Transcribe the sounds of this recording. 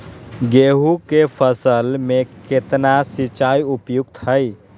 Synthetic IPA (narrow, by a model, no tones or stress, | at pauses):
ɡeɦukepʰəsəlmeket̪nasit͡ʃajupjuɡt̪ɦəj